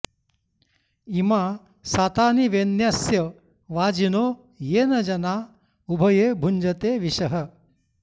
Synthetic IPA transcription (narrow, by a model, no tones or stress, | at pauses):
imaː | saːt̪aːniʋenjaːsjɐ | ʋaːd͡ʒinoː | jeːnɐd͡ʒɐnaː | ubʱɐjeːbʱuɲd͡ʒɐt̪eːʋiʃɐɦɐ